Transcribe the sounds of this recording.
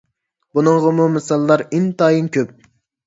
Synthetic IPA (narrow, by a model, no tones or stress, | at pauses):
bunɨɴʁəmumɨsɑlˠːɑɾint̪ɑːjinkʲʰøp̚